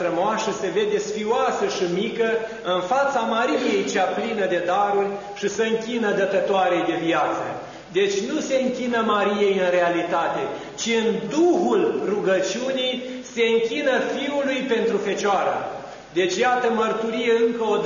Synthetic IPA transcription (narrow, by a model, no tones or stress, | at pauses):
ɾəmoasəse̞ve̞d̪e̞sfiuwasəʃimikə | ɨnfat̪samaɾije̞jt͡ʃeaplinəd̪e̞d̪aɾurʲ | ʃisəɨŋkʲinəd̪ət̪ət̪oaɾe̞jd̪e̞viat̪sə̰ | d̪e̞t͡ʃʲnuse̞ɨŋkʲinəmaɾije̞jɨnre̞alit̪at̪e̞ | t͡ʃiɨnd̪uhulruɡət͡ʃiunij | se̞ɨŋkʲinəfiulujpe̞nt̪ɾufe̞t͡ʃoaɾə̰ | d̪e̞t͡ʃʲjat̪əmərt̪uɾije̞ɨŋkəod̪